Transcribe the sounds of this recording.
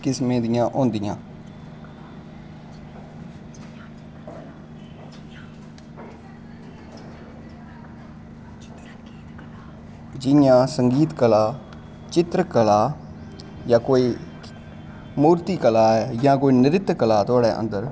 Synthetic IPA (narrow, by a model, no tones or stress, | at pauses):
kɪsmẽːd̪ɪjãːʔõːnd̪ɪjã̰ː | d͡ʒɪjãːsəŋɡiːt̪kəlaː | t͡ʃɪt̪ɾəkəlaː | jãːkoːiː | muːɾt̪iːkəlaːɛːjãːkoːiːnɪɾɪt̪kəlaːt̪ʊaːɽɛːʔə̰nd̪əɾ